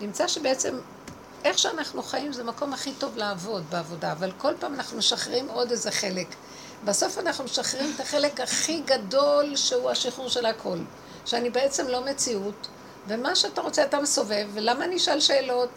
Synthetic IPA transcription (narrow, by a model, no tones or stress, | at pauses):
nimt͡saʃe̞beet͡se̞m | ʔe̞χʃeanaχnuχajimzemako̞mhaχito̞vleːvo̞dbeavo̞daːvalko̞lpaːmanaχnumeʃaχʁimo̞dezeχe̞le̞k | baso̞fanaχnumeʃaχʁimetaχe̞le̞khaχiɡado̞lʃeuaʃiχuʁʃe̞lakʰo̞l | ʃeanibe̞e̞t͡se̞mlo̞me̞t͡siut | vemaʃeataʁo̞t͡seatameso̞ve̞vːelamaniʃalʃe̞ːlo̞t